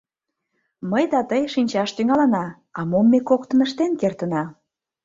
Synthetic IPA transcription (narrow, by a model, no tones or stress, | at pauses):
məjd̪ɑt̪əjʃinʲt͡ɕɑʃt̪yŋɑlɑnɑ | ɑmomːekokt̪ənəʃt̪enkert̪ənɑ